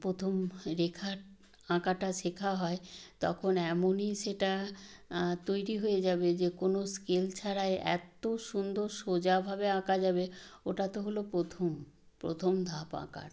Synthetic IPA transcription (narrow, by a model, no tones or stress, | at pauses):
pɾot̪ʰomɾekʰaɾ | ãkaʈaʃekʰaɦɔet̪ɔkʰonɛmoniʃeʈa | t̪ojɾiɦojed͡ʑabed͡ʑekonoskelt͡ɕʰaɾaeʔɛ̰t̪oʃund̪oɾʃod͡ʑabʱabeãkad͡ʑabeoʈat̪oɦolopɾot̪ʰom | pɾot̪ʰomd̪ʱapa̰ka̰ɾ